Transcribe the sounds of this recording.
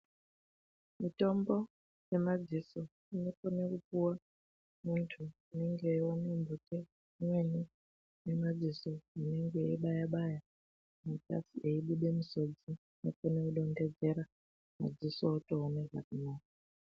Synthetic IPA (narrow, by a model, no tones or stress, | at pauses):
mitombo | jemad͡ziso | inokonekupuwa | muntʰuineŋɡewanembute | mweni | nemad͡zisoineŋɡeɓajaɓaja | mutʼa̰siʔeiɓuɗemusod͡zi | nokoneuɗonded͡zeɾa | ma̰d͡zisootʼoːneka̰kunaːka